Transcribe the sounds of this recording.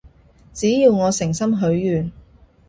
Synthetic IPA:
t͡siː˨˥jiː˧wŋɔː˨˧sɪ˨˩ŋsɐ˥mɦɵ˨˥ɥjyː˨n

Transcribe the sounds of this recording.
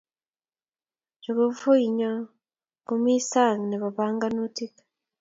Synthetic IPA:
d͡ʒu˨ɡo˨fo˦i˨ɲo˦ | kɡu˨mi˦sa˦˨ŋɡni˨βa˨βaː˦ŋɡa˦nu˦ti˦kḁ

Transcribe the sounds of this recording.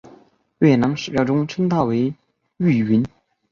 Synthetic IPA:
ɥɛ˥˩nɑ˧˥ŋʂɻ̩˨˩pjɑ˥˧ʊʈ͡ʂʊ˥ŋʈ͡ʂʰə˥ŋt̪ʰɑ˥˩we˧˥ɪ | y˥˩i˧˥n

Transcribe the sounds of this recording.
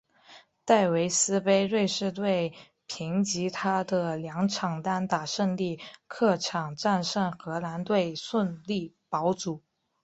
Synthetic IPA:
t̪a˥˩ɪwe˧˥ɪsɹ̩˥pe˥ɪɻwe˥˧ɪʂɻ̩˥˧t̪we˥˩ɪ | pʰi˧˥ŋt͡ɕi˧˥t̪ʰa˥d̪ə˨ljɑ˧˥ŋʈ͡ʂʰɑ˨˩ŋt̪a˥nt̪a˨˩ʂə˥˧nli˥˩kʰɤ˥˩ʈ͡ʂʰɑ˨˩ŋʈ͡ʂa˥˧nʂə˥˩nxɤ˧˥la˧˥nt̪we˥˧ɪswə˥˧nli˥˩ | pɑ˧˥ʊt͡su˨˩˦

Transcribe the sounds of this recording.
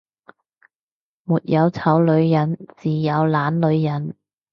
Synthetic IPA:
muː˨t̚jɐ˨˧wt͡sʰɐ˨˥wlɵ˨˧ɥjɐ˨˥nt͡siː˨˩jɐ˨˧wlaː˨˥nlɵ˨˧ɥjɐ˨˥n

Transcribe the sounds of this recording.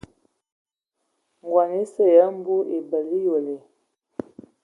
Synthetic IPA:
ŋ˨ɡwa˨ne˦sə˦˨jə˦m̩˦bu˦ʔe˨bə˨li˦jo˨le˨

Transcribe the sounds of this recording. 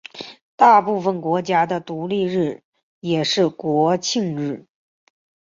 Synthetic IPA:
t̪a˥˧pu˥˩fə˩nkwɔ˧˥t͡ɕja˥d̪ə˨t̪u˧˥li˥˧ɻɻ̩˥˩ | jɛ˨˩ʂɻ̩˥˩kwɔ˧˥t͡ɕʰi˥˧ŋɻɻ̩˥˩

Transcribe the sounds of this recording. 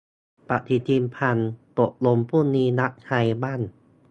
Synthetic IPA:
pa˧˨ʔt̪ʰiː˧˩t̪iː˧mpʰa˧nt̪o˨˩ʔ̚lo˧mpʰuː˥˩˨niː˧na˦˥ʔ̚t͡ɕʰa˧jbaː˥˨n

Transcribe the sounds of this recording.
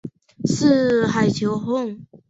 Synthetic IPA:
ʂɻ̩˥˧xa˨˩ɪt͡ɕʰjo˧˥ʊɦʊ˥˧ŋ

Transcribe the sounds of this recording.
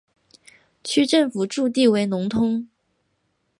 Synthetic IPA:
t͡ɕʰy˥ʈ͡ʂɤ˥˩ŋfu˨˩ʈ͡ʂu˥˧t̪̬i˥˩we˧˥ɪnʊ˧˥ŋt̪ʰʊ˥ŋ

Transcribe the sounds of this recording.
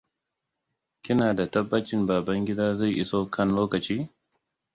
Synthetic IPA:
kʲɪ˦naː˨da˨tɐ˦bːɐ˦t͡ʃɪ˦mbaː˨bɐ˦ŋɡʲɪ˦daː˦za˦˨jʔɪ̰˦soː˦kʰɐ˦nloː˦kɐ˨t͡ʃiː˦

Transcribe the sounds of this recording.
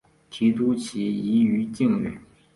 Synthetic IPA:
ʈ͡ʂʰi˩˨t̪u˥˨ʔt͡ɕi˩˨ji˩˨jyː˩˨t͡ɕi˥˨ŋwḛ˨

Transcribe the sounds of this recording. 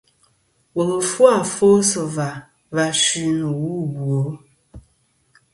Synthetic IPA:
wə˨ɣə˨fwa˦˨fo˦sə˨va˨ | va˨ʃi˦nə˨wu˦bwo˨˦

